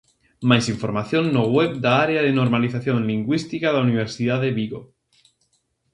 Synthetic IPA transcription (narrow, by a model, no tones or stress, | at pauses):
majsiɱfoɾmaθjõnːoɣweβd̪aaɾeaðenoɾmaliθaθjõnliŋɡwist̪ikaðauniβ̞eɾsiðaðeβiɣo